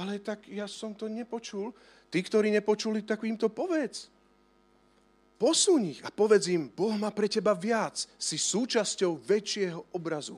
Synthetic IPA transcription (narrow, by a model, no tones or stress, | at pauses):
alɛt̪aɡjasɔmt̪ɔɲɛpɔt͡ʃul | t̪ikt̪ɔɾiːɲɛpɔt͡ʃulit̪akʋiːmt̪ɔpɔʋɛt͡s | pɔsuɲixapɔʋɛd͡zimbɔɦmaːpɾɛcɛbaʋɪat͡ssisuːt͡ʃascɔʊʋɛt͡ʃɪɛɦɔʔɔbɾazu